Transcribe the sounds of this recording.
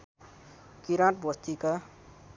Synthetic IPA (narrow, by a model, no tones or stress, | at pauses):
kiɾãʈbost̪ika